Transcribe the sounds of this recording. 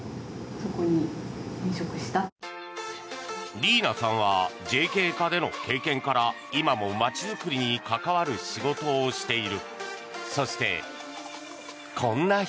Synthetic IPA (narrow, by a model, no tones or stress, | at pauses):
soko̞ɲ̟iẽɰ̃ɕokɯ̟ɕi̥t̪a | ɾʲiːnasãɰ̃β̞ad͡ʑe̞ːke̞ːkad̪e̞no̞̰ke̞ːkẽ̞ŋkaɾa | imamo̞mat͡ɕizɨkɯ̟ɾʲiɲ̟ikakaβaɾɯ̟ɕiɡo̞t̪o̞ːɕi̥t̪e̞iɾɯ̟ | so̞ɕi̥t̪e̞̰ | kʰõ̞nːa